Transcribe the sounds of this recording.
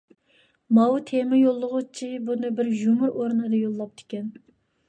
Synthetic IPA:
mɑwt̪ʰemɪjolˠːʊʁʊt͡ʃʰibunɨbɪɾʒumʊɾoɾnɨd̪ɨjolˠːɑp̚t̪ʰɪ̥kʲɛn

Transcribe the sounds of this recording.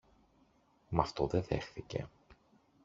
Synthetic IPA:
mɐft̪oðeðe̞xθice̞̰

